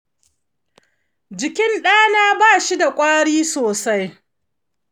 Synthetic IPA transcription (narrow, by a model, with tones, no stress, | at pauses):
d͡ʒɪ˨kʲɪ˦nɗaː˦naː˦baː˦˨ʃi˦da˨kʷʼaː˦ɽiː˦soː˨sa˦j